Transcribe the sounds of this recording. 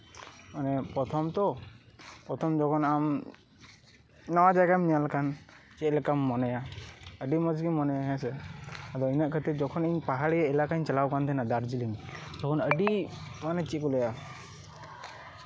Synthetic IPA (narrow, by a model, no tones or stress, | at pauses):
manɛpɾɔt̪ʰɔmt̪ɔ | pɔt̪ʰɔmd͡ʒɔkʰɔnam | nɔwad͡ʒajɡamnijalkan | t͡ʃɛʔlɛkamːɔnɛjaəɖimɔd͡ʒɡimɔnɛjaɦɛsɛad̪ɔinaʔkʰət̪ɛd͡ʒɔkʰɔniɲpaɦaɽijaɛlakaɲt͡ʃalawkant̪ʰɛnad̪aɾd͡ʒilind͡ʒɔkʰɔnəɖimanɛt͡ʃikɔlɛja